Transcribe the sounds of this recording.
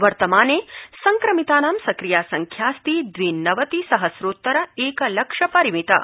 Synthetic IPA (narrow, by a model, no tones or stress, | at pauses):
ʋɐɾt̪ɐmaːneːsɐŋkɾɐmit̪aːnaːmsɐkɾijaːsɐŋkʰjaːst̪id̪ʋiːnːɐʋɐt̪isɐɦɐsɾoːt̪ːɐɾɐeːkɐlɐkʂɐpɐɾimit̪ɐ̰